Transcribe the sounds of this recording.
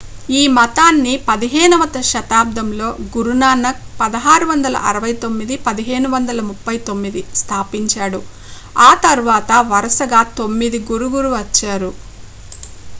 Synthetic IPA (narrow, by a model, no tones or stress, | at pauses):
iːmɐt̪aːnːipɐd̪iɦeːnɐmɐt̪ɐʃɐt̪aːb̚d̪ʱɐmlo̞ːɡuɾunaːnɐk̚pɐd̪ɐɦaːɾuʋɐnd̪ɐlɐ̰ʔɐɾɐʋɐjt̪o̞mːid̪ipɐd̪iɦe̞ːnuʋɐnd̪ɐlɐmupːɐjt̪o̞mːid̪ist̪ʰaːpiɲt͡ʃaːɽu | aːt̪ɐɾuʋaːt̪ɐʋɐɾɐsɐɡaːt̪o̞mːid̪iɡuɾuɡuɾuʋɐt͡ʃːaːɾu